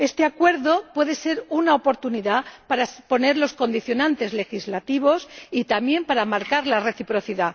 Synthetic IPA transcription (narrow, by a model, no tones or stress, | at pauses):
e̞st̪e̞akwe̞ɾðo̞pwe̞ðe̞se̞ɾunaopo̞ɾt̪uniðapaɾaspo̞ne̞ɾlo̞sko̞nd̪iθjo̞nãnt̪e̞zle̞xizlat̪iβ̞o̞sit̪amje̞mpaɾamaɾkaɾlare̞θipɾo̞θiða